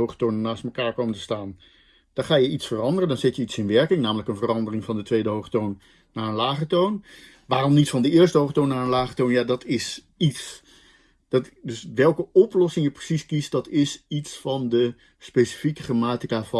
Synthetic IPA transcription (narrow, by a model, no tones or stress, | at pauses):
owχətoːnənːaːst̚məkaːɹkoːməntə̥staːn | d̥ɔχaːjəitsfərɑndərəndɔnzɪtjəitsɪnʋɛɹkɪŋnaːmələkənvərɑndərɪŋvɑndətʋeːdəɦowχətoːnː | aːɹənlaːχətown | ʋaːrɔmnitfɑndəɪːəɹstəɦowχətoːnːarənlaːχətoːnjadɔtʰɪs | its | dɔtdøsʋɛlˠkəɔplɔsɪŋjəprəsiskist̚dɑtɪsitsfɑndə | spesi̥fikəχramaːtikav